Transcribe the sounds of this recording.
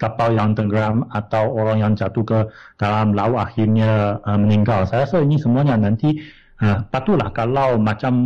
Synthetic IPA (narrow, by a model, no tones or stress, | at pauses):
kapaljaŋt̪əɡəɾamat̪awoɾaŋjaŋd͡ʒat̪uhkə | d̥alamlauaxɪrɲaəməniŋɡalsajasainisəmuaɲanãnt̪i | əpat̪ulahkalawmat͡ʃam